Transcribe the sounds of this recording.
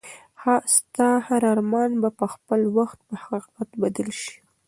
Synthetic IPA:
hɑst̪ɑhaɾɑɾmɑnbapəxpəlwaxt̪̚pəhaqiqat̪bad̪əlʃi̥

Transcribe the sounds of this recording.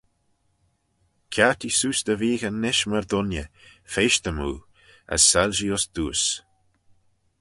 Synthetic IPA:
kʲʰat̪isuːsd̪əviːɣənːɪʃməɹd̪ʊnjə | feːʃt̪əmṵː | a̰sːalʒiʊsd̪̥uːs

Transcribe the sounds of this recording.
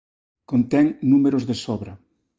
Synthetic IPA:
kont̪ɛŋnumeɾozðesɔβɾɐ

